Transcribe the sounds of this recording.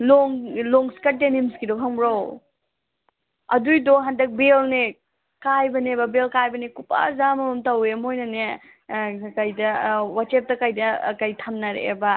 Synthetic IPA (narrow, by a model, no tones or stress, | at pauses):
lɔŋlɔŋskat̚tenimskidopʰaŋbɾaw | ɐdujdɔɦandɐk̚belne | kajbɐnebɐbelkajbɐnekup̚a̰zamɐmumtawemojnɐne | kɐjdɐwat͡ʃep̚tɐkajdɐ̰kajtʰɐmnɐɾḛːbɐ